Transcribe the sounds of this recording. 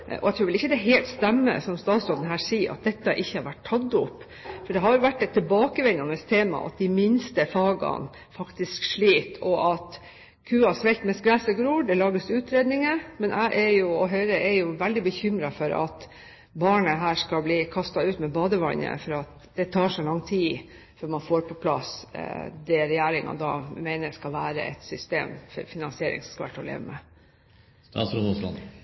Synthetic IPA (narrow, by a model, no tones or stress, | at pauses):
ʔɔ̰æɪt̪ʰɾʉːʋɪlɪçːəd̪ɛɦeːlt̪st̪ɛmːə̰sɔmst̪ɑːt̪sɔd̪ənɦæːʂiːɑ̰t̪̚d̪ɛt̪ːəʔɪçːəhɑɾʋæʈʰːɑt̪ːʊp | fɔɖɛɦɑɾjʊʋæʈːɛt̪ʰːɪlbɑːkəʋɛnːɑnəst̪ʰeːmɑ̰ʔɑ̰t̪̚d̪ɪmɪnst̪əfɑːɡɑ̰n | fɑkt̪ɪskʂɭiːt̪ʰɔʔɑt̪ | kʰʉːɑsʋɛlt̪mɛsɡɾæːsəɡɾuːɖɛlɑːɡəsʉːt̪ɾeːd̪nɪŋəmɛnʔæ̰ɪʔɛɾjʊɔɦœʏɾəʔɛɾjʊʋæld̪ɪbəçʏmɾɑfɔɾʔɑ̰t̪ | bɑːɳəɦæːʂkɑbliːkʰɑst̪ɑʉːt̪mɛbɑːd̪əʋɑ̰ɲə̰fɔɾɑt̪̚ | d̪̥ɛt̪ʰɑːʂɔlɑŋːt̪ʰiː | fœɾmɑnfoːɾpʰɔpʰlɑ̰s | d̪ɛɾɛjæːɾɪŋɑ̰d̪ɑ̰ːmæɪnəɾskɑlʋæːɾə̰ʔɛ̰t̪sʏst̪ḛːmfɔ̰ɾfɪnɑnsɪeːɾɪ̰ŋsɔskɑʋæ̰ʈːɔlḛːʋəmɛ̰ | ɑ̰sɾʊnuslɑ̰n